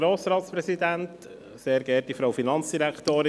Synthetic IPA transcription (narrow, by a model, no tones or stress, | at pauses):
ɾoːsɾɑːt̪spɾɛsidænt | seːɾɡɛt̚difɾɔwfinɑnt͡sd̥iɾækʰtoːɾ